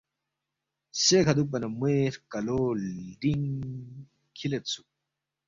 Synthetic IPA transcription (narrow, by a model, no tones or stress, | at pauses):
sekʰɐd̪up̬ɐnɐmeɾkɐloɖiŋ | kʰilet̪t͡sʰu